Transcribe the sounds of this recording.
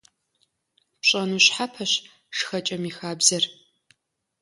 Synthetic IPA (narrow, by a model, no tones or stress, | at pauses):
pɕʼɐnuːɕħapʰɐɕ | ʂxɐt͡ʃʼɐmiːxaːbzɐr